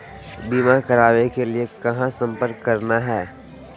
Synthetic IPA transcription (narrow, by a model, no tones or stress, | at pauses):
biːmakɐɾaːʋekeliekɐɦãsɐ̃mpəɾkːɐɾnaɦɛː